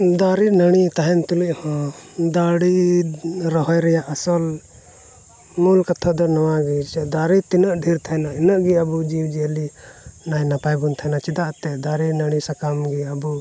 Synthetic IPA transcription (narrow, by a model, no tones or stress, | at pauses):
d̪aɾinəɽ̃it̪aɦɛnt̪uliʔhɔ̃d̪aɽi | ɾɔɦɔjɾɛjaʔəsɔl | mulkat̪ʰɔd̪ɔnɔwaɡid̪aɾit̪inəʔɖʱiɾt̪ʰajnaɛnəʔɡiəbud͡ʒiwd͡ʒelinajnapajbɔnt̪ʰajnat͡ʃid̪aʔt̪ɛd̪aɾinəɽ̃isakamɡiəbu